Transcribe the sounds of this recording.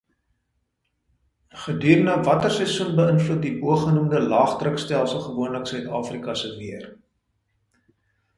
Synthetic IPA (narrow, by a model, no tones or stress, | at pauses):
χədyːrnəvɐtərsɛsunbəənflut̚diʔuəχənumdəlɑːχtrəkstælˠsəlˠχəvuənləksœɥtɑːfrikɐsəviər